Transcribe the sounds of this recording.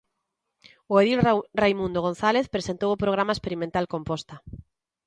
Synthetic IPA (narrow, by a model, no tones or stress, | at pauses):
ʊeðilrejmũnd̪oɣon̟θaleθpɾesent̪owʊpɾoɣɾamaespeɾimẽnt̪alkompɔst̪ɐ